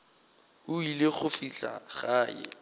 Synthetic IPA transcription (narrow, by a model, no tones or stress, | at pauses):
ʊilɪχʊfiɬa̰χaːjɛ̰